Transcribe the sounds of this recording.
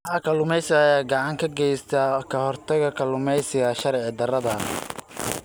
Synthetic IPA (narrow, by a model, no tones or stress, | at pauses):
ħɑkʰɐlʊmɛjsɪɣːjaːɡɑʕɑŋkʰɐɡɛjst̪ʰɐkʰɐhɔrt̪ʰɐɣɐkʰɐlʊmɛjsɪɣɐʃɐɾʕɪd̪ɐrɐðɐn